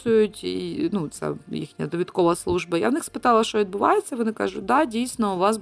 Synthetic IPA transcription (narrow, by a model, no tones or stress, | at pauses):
sʊjʊtʲḭnut̪sʲa̰ḭxnʲɐjɐd̪ɔʋʲɪt̪koʋɐslˠuʐbɐja̰vnɪxspɨt̪ɑlˠɐʃt̪oɪd̪bɨʋajet̪sʲɐʋɔnɪka̰ʐʊt̚ʲd̪adʲijsʲnɐʊʋɑs